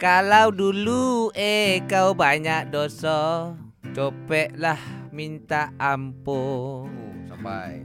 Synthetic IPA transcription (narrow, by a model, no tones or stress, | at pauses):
kalawduluʔekawbaɲaʔ̚dosɔ | t͡ʃopɛʔlahmint̪aːmpo | sapaj